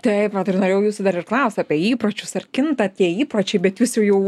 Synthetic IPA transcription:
t̪ɐɪpʋɐt̪ɪrnoːɾeːjɛʊjuːsʊd̪ɐɾɪrklˠɐʊst̪ɑːpʲiɛiːpɾot͡ʃʲʊsɐrkʲɪnt̪ɐt̪ʲiɛiːpɾɐt͡ʃʲɛɪbʲɛt̪ʋʲuːsjɛjɛʊ

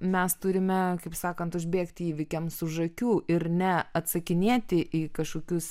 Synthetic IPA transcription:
mʲɛst̪ʊɾʲɪmʲɛkɐɪpsɑːkɐnt̪ʊʒʲbʲeːkt̪ʲiːʋʲɪkʲɛmsʊʒɐkʲuːʔɪɾnʲɛɐt̪sɐkʲɪnʲeːt̪ʲɪʔiːkɐʃkoːkʲʊs

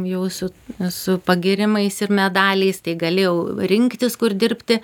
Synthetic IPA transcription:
jɛʊsʊsʊpɐɡʲɪɾʲɪmɐɪsɪrmʲɛd̪ɑːlʲɛɪst̪ɐɪɡɐlʲɪjɛʊɾʲɪŋkt̪ʲɪskʊrd̪ʲɪɾʲpʲt̪ʲɪ

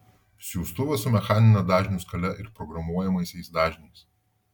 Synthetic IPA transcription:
sʲjuʊst̪ʊʋʲɐsʊmʲɛxɑːnʲɪnɐd̪ɑːʒʲnʲuskɐlʲɛʔɪɾpɾɔɡɾɐmuɔjɛmɐɪsʲɛɪsd̪ɑːʒʲnʲɛɪs

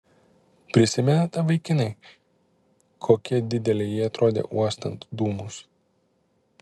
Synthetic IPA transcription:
pʲɾʲɪsʲɪmʲɛnɐt̪ɑːʋɐɪkʲɪnɐɪ | kʰoːkʲiɛd̪ʲɪd̪ʲɛlʲɛjiːɐt̪ɾoːd̪ʲḛːʔuɔst̪ɐnt̪d̪uːmʊs

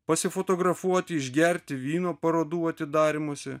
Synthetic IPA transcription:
pɐsʲɪfoːt̪oːɡɾɐfuɔt̪ʲɪɪʒʲɡʲɛɾʲt̪ʲɪʋʲiːnoːpɐɾoːd̪uːɐt̪ʲɪd̪ɑːɾʲɪmoːsʲɪ

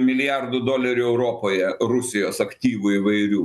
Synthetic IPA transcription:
mʲɪlʲɪjɑrd̪ʊd̪oːlʲɛɾʲuːɛʊɾoːpoːjɛrʊsʲɪjoːsɐkt̪ʲiːʋʊiːʋɐɪɾʲuː

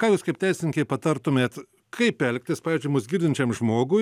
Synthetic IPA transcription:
kɑːjuːskɐɪpʲt̪ʲɛɪsʲɪnʲɪŋʲkʲɐɪpɐt̪ɐrt̪ʊmʲeːt̪ | kʰɐɪpʲɛlʲk̚ʲt̪ʲɪspɑːʋʲiːzʲd͡ʒʲʊɪmʊsɡʲiːrdʲɪnʲt͡ʃʲɛmʒmoːɡʊ

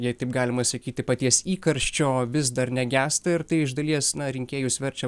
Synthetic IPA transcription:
jɛɪt̪ɐɪpɡɑːlʲɪmɐsɐkʲiːt̪ʲɪpɐt̪ʲiɛsiːkɐɾʲʃʲt͡ʃʲoːʋʲɪsd̪ɐɾnʲɛɡʲæːst̪ɐɪɾt̪ɐɪɪʒd̪ɐlʲiɛsnɐɾʲɪŋʲkʲeːjʊsʲʋʲɛɾʲt͡ʃʲɛ

